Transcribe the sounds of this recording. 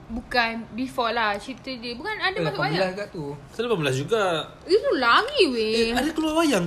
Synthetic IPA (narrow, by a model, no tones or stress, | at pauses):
bukanbifɔlaht͡ʃit̪ədebukanadaasaailahɡaʔt̪usəlapamilahd͡ʒuɡa | it̪ulaɡiweadakəluawajaŋ